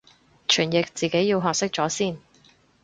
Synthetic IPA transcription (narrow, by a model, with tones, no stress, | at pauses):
t͡ʃʰyː˨˩njɪ˨k̚t͡siː˨˩ke˨˥jːiː˧wɦɔː˨k̚sɪ˥k̚t͡sɔː˨˥siː˥˩n